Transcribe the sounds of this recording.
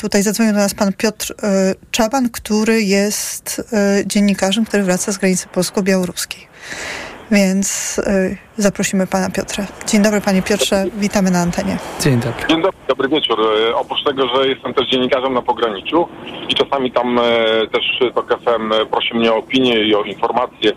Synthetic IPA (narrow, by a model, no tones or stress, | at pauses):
t̪ut̪ajzad̪zvɔɲiwd̪ɔnaspanpʲjɔt̪ɾt͡ʂɛbankt̪uɾɘjɛst̪d͡ʑeɲːikaʐɛmkt̪uɾɘvɾat̪sazɡɾaɲit̪sɛ̥pɔlskɔbʲjawɔɾuskʲej | vʲjɛnt̪s | zapɾɔɕimɘpanapʲjɔt̪ɾad͡ʑeɲd̪ɔbɾɘpaɲɛpʲjɔtʂɛvʲit̪amɘnaːnt̪ɛɲɛd͡ʑeɲd̪ɔbɾeɲd̪ɔbɾɘd̪ɔbɾɘvʲjɛt͡ʂuɾɔpɾut͡ʂt̪ɛɡɔʐɛjɛst̪ɛmt̪ɛʐd͡ʑeɲːikaʐɛmnapɔɡɾaɲit͡ʂuit͡ʂasamʲit̪amt̪ɛʂt̪ɔkɛfɛmpɾɔɕimɲɛɔːpʲiɲjɛiɔinfɔɾmat̪sʲjɛ